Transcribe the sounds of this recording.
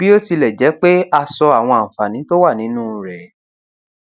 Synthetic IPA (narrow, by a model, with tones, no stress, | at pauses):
bi˦o˦ti˧lɛ˨d͡ʒɛ˨˦k͡pe˦a˦˧sɔ˧a˨w̃ɔ̃˧ã˨fa˨nĩ˨˦to˦wa˦˨nĩ˨˦nũː˦ɾɛ˨